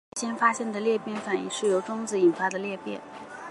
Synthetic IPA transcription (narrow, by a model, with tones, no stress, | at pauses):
ɕjɛ˥nfa˥ɕjɛ˥˩nd̪ə˩ljɛ˥˧pjɛ˥˩nfa˨˩ni˧˥ʂɻ̩˥˩jo˧˥ʊʈ͡ʂʊ˥ŋt͡sɹ̩˧i˨˩nfa˥d̪ə˨ljɛ˥˧pjɛ̰˥˩n